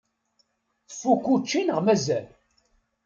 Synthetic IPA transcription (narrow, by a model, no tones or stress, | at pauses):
θfːukːut͡ʃːinəʁmæzæl